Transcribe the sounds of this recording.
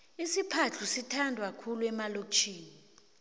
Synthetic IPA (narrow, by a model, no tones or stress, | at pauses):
isipʰat͡ɬʰusitʰandʱwakʰuluɛmalot͡ʃʰiːni